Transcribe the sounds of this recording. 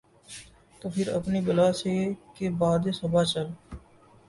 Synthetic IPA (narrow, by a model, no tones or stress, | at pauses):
t̪oːpʰɪɾɐ̰pnibʊlaːsekebaːd̪esʊbat͡ʃəl